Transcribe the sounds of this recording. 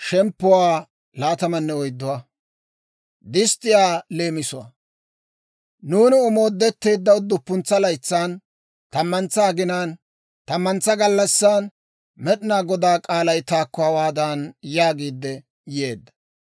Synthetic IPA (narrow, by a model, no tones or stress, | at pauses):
ʃɛmpːʊwaː | laːt̪ɐmɐnːɛɔjd̪ːʊwa | d̪ɪst̪ːɪjaːle̞ːmɪsʊwa̰ | nuːnɪʊmo̞ːd̪ːɛt̪ːe̞ːd̪ːɐʊd̪ːʊpːʊnt͡sːɐlɐjt͡sːaːn | t̪ɐmːɐnt͡sːaːɡɪnaːn | t̪ɐmːɐnt͡sːɐɡɐlːɐsːaːn | mɛᶑɪnaːɡɔd̪aːkʼaːlɐjt̪aːkːʊɐwaːd̪aːnjaːɡiːd̪ːɛ | je̞ːd̪ːɐ̥